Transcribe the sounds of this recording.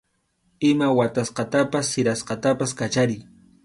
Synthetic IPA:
ɪmawat̪asqɑt̪apasːɪɾasqɑt̪apaskat͡ʃaɾɪj

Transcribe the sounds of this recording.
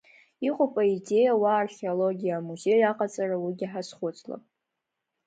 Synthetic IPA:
iqʼʊpʼaide̞jawaːrχʲeolo̞ɡʲijaːmuze̞jɥaqʼat͡sʼarawiɡʲiħasχʷʊt͡sʼla̰pʼ

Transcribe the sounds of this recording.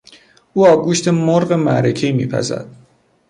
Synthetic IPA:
uːɒːɡuːʃt̪ʰemoɾɢemæɾecʰejmḭːpʰæ̰zæ̰d̪̥

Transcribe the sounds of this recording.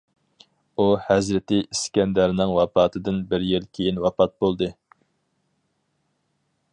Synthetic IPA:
uhæzɾɪt̪ɪiskʲɛnd̪æɾnɪŋwɑpɑːt̪ʰɨd̪ɨnbɪɾjɪlkʲʰejinwɑpɑt̪̚bolˠd̪ɨ

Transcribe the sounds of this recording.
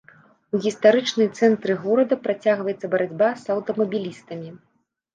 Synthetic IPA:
uɣʲist̪aɾɨt͡ʂnɨjt̪sɛnt̪ɾɨɣɔɾɐd̪ɐpɾat͡sʲaɣvɐjɛt̪sːɐbɐɾad͡zʲbasɐwt̪ɐmɐbʲilʲist̪ɐmʲi

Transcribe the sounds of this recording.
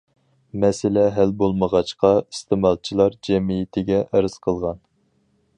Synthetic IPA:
mɛsɪlɛɦælbolˠməʁɑt͡ʃqɑist̪ʰɪmɑlˠt͡ʃʰilˠɑɾd͡ʒɛmijɪt̪ʰɪɡʲɛʔəɾɨz̥qʰəlˠʁɑn

